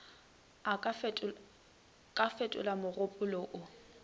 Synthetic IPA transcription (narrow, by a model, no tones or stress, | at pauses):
a | kʼafetʼʊ̰lamʊrʊpʼʊlɔʔʊ